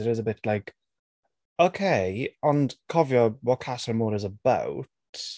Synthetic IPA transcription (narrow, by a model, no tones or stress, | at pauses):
ɪɾɪzəbɪtʰlaɪk | oʊkʰeɪə̃nkʰɒvjəwɒt̚kʰasənmɔːɾɪzəba̰wt